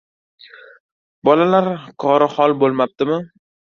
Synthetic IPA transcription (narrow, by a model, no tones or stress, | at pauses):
bɒlalaɾqʰɒɾɪhɒlˠbolˠmap̚t̪ɪmɪ